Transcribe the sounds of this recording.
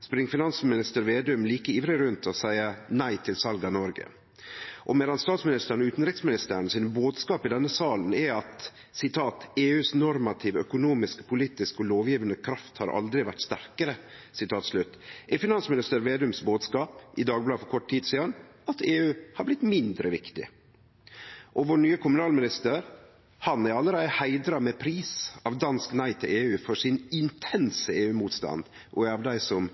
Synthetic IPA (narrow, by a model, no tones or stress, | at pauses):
spɾɪŋəfɪnɑnsmɪnɪst̪əɾʋeːd̪ʉmliːkəiːʋɾɪɾʉnt̪ʰɔsæɪənæɪt̪ʰɪlsɑlɡɑnɔɾɡə̰ | ʔɔmeːlɑnst̪ɑːt̪smɪnɪst̪əɾnʉːt̪n̩ɾɪksmɪnɪst̪əːɾənsɪnəboːd̪skɑːpɪd̪ɛnːəsɑːln̩ɛɑt̪ | sɪt̪ʰɑːt̪eːʉːsnɔɾmɑt̪ʰɪʋœkʊnuːmɪskpʰʊliːt̪ɪskɔloːʋjiːʋənd̪əkʰɾɑft̪hɑ̰ɾʔɑ̰ld̪ɾɪʋæʈːst̪æɾkəɾə | sɪt̪ʰɑːt̪slʉt̪ːʔɛfɪnɑnsmɪnɪst̪əɾʋeːd̪ʉmsboːd̪skɑːpɪd̪ɑːɡblɑːfɔɾkʰɔʈːt̪ʰiːd̪siːɑnɑt̪ʰeːʉːhɑɾblɪt̪mɪnd̪ɾəʋɪkt̪ɪ̰ | ʔɔʋɔɳyːəkʰʊmʉnɑːlmɪnɪst̪əɾ | hɑnæɾɑlːəɾæɪəhæɪd̪ɾɑmɛpʰɾiːsɑʋd̪ɑnsknæɪt̪ʰɪleːʉːfɔʂɪnɪnt̪ʰɛnsəeːʉːmuːt̪st̪ɑ̰nd̪ | ʔɔɑʋd̪æɪsɔm